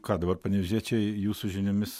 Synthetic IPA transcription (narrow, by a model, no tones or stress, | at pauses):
kɑːd̪ɐbɐrpɐnʲɛzʲiɛt͡ʃʲɛjuːsʊʒʲɪnʲʊmʲɪs